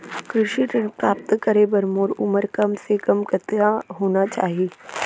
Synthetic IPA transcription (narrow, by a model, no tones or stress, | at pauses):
kɾɪʃiʈɪnpɾaːp̚t̪kəɾebɐɾmoːɾʊməɾkɐmsekɐmkɐt̪jaɦoːnat͡ʃa̰ːɦieː